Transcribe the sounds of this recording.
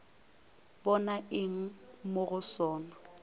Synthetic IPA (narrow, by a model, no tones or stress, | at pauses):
bɔnaʔɪŋ̩moɣʊsɔːnɔ